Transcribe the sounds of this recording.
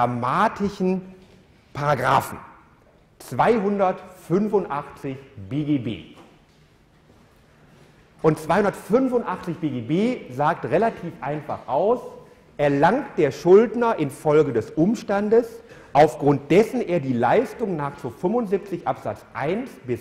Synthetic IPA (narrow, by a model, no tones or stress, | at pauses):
amaːtʰɪʃn̩ | pʰaʁaɡʁa̰ːfn̩ | t͡sv̥aɪɦʊndɐtfʏnvʊntʔaχt͡sɪçb̥eːɡeːbḛː | ʔʊntt͡sv̥aɪhʊndɐtfʏnvʊntʔaχt͡sɪçb̥eːɡeːbeːzaːktʁelatʰiːfʔaɪnfa̰χʔaʊs | ʔɛɐlaŋt̚d̥eːɐʃʊldnɐʔɪnfɔlɡədɛsʔʊmʃtandəsʔaʊfɡ̥ʁʊnt̚d̥ɛsn̩ʔeːɐdiːlaɪstʊŋnaːχt͡sufʏmʊntzip̚t͡sɪçʔapz̥a̰t͡sʔaɪnsb̥ɪs